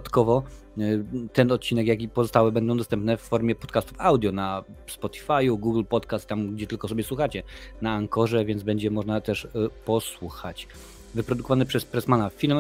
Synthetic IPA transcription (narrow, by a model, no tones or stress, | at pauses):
t̪kɔvɔ | t̪ɛnɔt̪̚t͡ɕinɛkjakʲipɔzɔst̪awɘbɛnd̪ɔ̃w̃d̪ɔst̪ɛmpnɛfːɔɾmʲjɛpɔt̪kast̪u̥fawd̪ʲjɔnaspɔt̪ʲi̥fajuɡuɡlpɔt̪kast̪t̪ːamɡd͡ʑɛt̪ɘlkɔsɔbʲjɛswuxat͡ɕɛnaːŋkɔʐɛvʲjɛnd̪bɛɲd͡ʑɛmɔʐnat̪ɛʂpɔswuxat͡ɕ | vɘpɾɔd̪ukɔvanɘpʂɛspɾɛsmanafʲilm